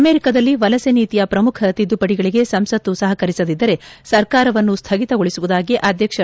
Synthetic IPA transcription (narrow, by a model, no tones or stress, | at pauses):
ɐme̞ːɾikɐd̪ɐlːiʋɐlɐseniːt̪ijɐpɾɐmukʰɐt̪id̪ːupɐɽiɡɐɭiɡe̞sɐmsɐt̪ːusɐɦɐkɐɾisɐd̪id̪ːɐɾe̞sɐɾkaːɾɐʋɐnːust̪ʰɐɡit̪ɐɡoɭisuʋud̪aːɡiʔɐd̪ʱjɐkʂɐ